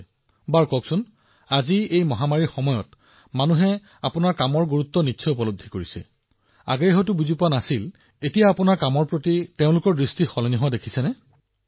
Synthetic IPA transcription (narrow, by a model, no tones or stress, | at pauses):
baɹkɔksʊn | aziejmɔɦamaɹixɔmɔjɔt | manuɦɛ | apʊnaɹkamɔɹɡuɹut̪ːɔnitːsʰɔupɔlob̚d̪ʱːikoɹisɛ̰ | a̰ɡejɦɔjtʊbuzipʊanasil | etijaːpʊnaɹkamɔɹpɹotiteʊ̃lʊkɔɹdɹistixɔlniɦɔadekʰi̥sɛnɛ